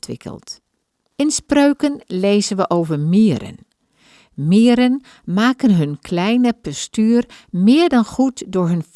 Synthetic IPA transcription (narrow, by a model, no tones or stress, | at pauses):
tʋɪ̰kʰə̰lˠt | ɪnsprøɥkənlejzənʋəʔoːvəɹmiəɾə̰n | miːɾən | maːkənɦɵnkʰlɛjnəpɔstyːrmɪːɹdɑnχutdʊːɹɦɵnf